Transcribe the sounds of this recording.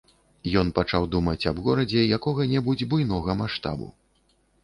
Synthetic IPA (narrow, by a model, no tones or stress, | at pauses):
jɔn̪pat͡ʂawd̪umɐt͡sʲɐbɣɔɾɐd͡zʲɛjakɔɣɐnʲɛbud͡zʲbujnɔɣɐmaʂt̪a̰bṵ